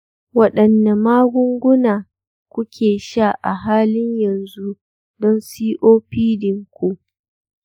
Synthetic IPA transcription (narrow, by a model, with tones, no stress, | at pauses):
wɐ˦ɗɐ˨nda˨maː˦ɡʷʊ˦ŋɡʷʊ˦naː˨ | kʷʊ˦kʲʰeː˨ʃa˦˨ʔa˨ɦaː˦lɪ˦ɲjɐ˨nzu˦ | dɔ˦nsiː˦ʔoː˦ɸiː˦dɪ˨ŋkʷu˦ʔ